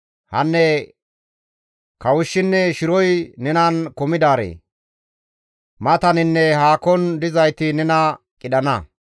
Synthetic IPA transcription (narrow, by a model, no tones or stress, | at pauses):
hɐ̰nːɛ | kɐwʊʃːɪnːɛʃɪɾɔjnɛnɐnkɔmɪd̪aːɾḛː | mɐt̪ɐnɪnːɛhaːkɔnd̪ɪzɐjt̪ɪnɛnɐ | kʼɪɗɐnɐ